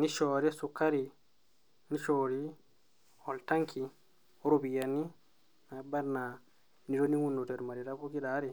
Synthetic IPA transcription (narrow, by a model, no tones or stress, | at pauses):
niʃɔːɾɛsukːaɾi | niʃɔːɾi | ɔltaŋkʰi | ɔɾobijanːi | nabaɾna | nidoniŋunːutɛɾmaɾiɾakokiɗaɾɛ